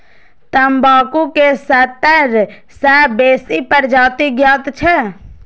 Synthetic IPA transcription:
t̪əmbaːkukesət̪əɾ | sɛːbeːsipəɾd͡ʒaːt̪iɡjaːt̪t͡ʃʰɛ

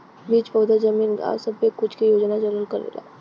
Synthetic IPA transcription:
biːt͡ʃpɔːd̪əzəmiːna̰səbekːʊt͡ʃʰkijoːd͡ʒnad͡ʒələlkəɾḛla̰ː

